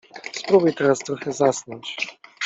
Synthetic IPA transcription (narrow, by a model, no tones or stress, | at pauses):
spɾɔbujt̪ɛɾast̪ɾɔxɛzasnɔnt͡ɕ